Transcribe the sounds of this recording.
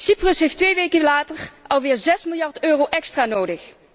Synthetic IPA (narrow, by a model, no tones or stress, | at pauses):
siprəsɦejftʋejʋejkəlaːtərɑlˠʋɪːɹzɛsmɪlˠjɑɹtøːrowʔɛkstraːnowdəx